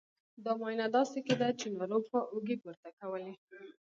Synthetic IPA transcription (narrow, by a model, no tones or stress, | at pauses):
d̪ɑmɑjnad̪ɑseked̪at͡ʃenaɾobxaʔuɡipoɾt̪akawəle